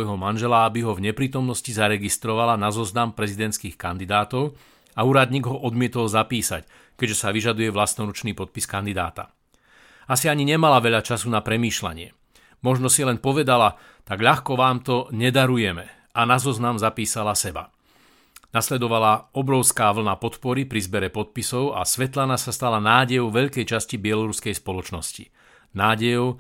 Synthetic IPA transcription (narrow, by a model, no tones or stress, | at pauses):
jɦɔmanʒɛlaabiɦɔvɲɛpɾiːt̪ɔmnɔscizaɾɛɡist̪ɾɔʋalanazɔznampɾɛzid̪ɛntskiːxkand̪id̪aːt̪ɔʊ | auːɾad̪ɲiːɡɦɔʔɔd̪mɪɛt̪ɔlzapiːsa̰c | kɛɟʒɛsaʋiʒad̪ujɛʋlast̪nɔɾut͡ʃniːpɔt̪̚piskand̪id̪a̰ːt̪a̰ | asiaɲiɲɛmalaʋɛʎat͡ʃasunapɾɛmiːʃla̰ɲɪɛ̰ | mɔʒnɔsilɛnpɔʋɛd̪ala | t̪aɡʎaxkɔʋaːmt̪ɔɲɛd̪aɾujɛmɛ | ʔanazɔznamzapiːsalasɛba̰ | naslɛd̪ɔʋalaɔbɾɔʊskaːʋl̩napɔt̪pɔɾipɾizbɛɾɛpɔt̪̚pisɔʊa̰sʋɛt̪lanasast̪alanaːɟɛjɔʊʋɛʎkɛjt͡ʃascibɪɛlɔɾuskɛjspɔlɔt͡ʃnɔscḭ | naːɟɛjɔʊ